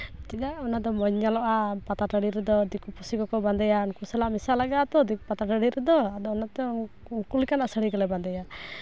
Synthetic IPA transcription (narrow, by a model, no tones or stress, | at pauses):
t͡ʃiɗ̪aʔɔnad̪ɔmɔɲalɔʔapat̪aʈaɽiɾɛd̪ɔd̪ikupʰusikɔkɔband̪ɛjaunkusalaʔmisalaɡat̪ɔd̪ikpat̪aʈaɽiɾɛd̪ɔad̪ɔɔnat̪ɛ | ukulikanaʔsəɽikɔlɛband̪ɛja